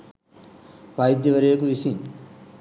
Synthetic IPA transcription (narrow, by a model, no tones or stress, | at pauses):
ʋajd̪jɐʋɐɾejɐkuʋisiŋ